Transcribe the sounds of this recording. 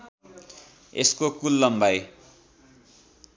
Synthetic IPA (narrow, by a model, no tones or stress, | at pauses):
eskokulːʌmbaj